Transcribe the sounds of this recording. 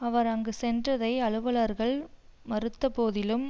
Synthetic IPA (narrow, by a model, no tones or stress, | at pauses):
ɐʋɐɾɐŋɡesɛndrɐðɐɪɐɭɯʋɐɭɐɾɣɐɭ | mɐɾɯt̪ːɐpoːðɪlɯm